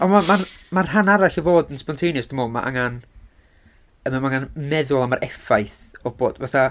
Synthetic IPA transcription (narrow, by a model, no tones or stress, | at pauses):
ɔnmamar | marɦanaɾaɬəvoːdənspɔntʰejnjəsd̥əmoːma̰ʔa̰ŋan | əmamaŋanmɛðʊlˠamaɾʔɛfajθ | ɔbo̰ːd̥vaθa